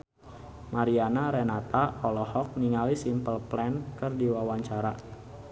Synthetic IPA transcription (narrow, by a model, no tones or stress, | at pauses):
maɾianaɾɛnat̪aɔlɔhɔk̚niŋalisimpəlplɛnkɨrdiwawaɲt͡ʃaɾa